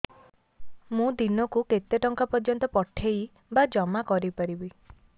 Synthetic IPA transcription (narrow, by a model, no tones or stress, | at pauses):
mũd̪inɔkuket̪eʈɔŋkɔpɔɾd͡ʒjɔnt̪ɔpɔʈʰej | bad͡ʒɔmakɔɾipɔɾibi